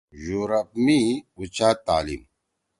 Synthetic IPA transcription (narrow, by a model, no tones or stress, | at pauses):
juɾɐpmiut͡ɕaːt̪aːlḭm